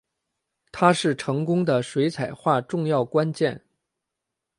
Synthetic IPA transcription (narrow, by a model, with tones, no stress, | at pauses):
t̪ʰa˥ʂɻ̩˥˩ʈ͡ʂʰɤ˧˥ŋkʊ˥ŋd̪ə˨ʂwe˧˥ɪt͡sʰa˨˩ɪxwa˥˧ʈ͡ʂʊ˥˧ŋjɑ˥˩ʊkwa˥nt͡ɕjɛ˥˩n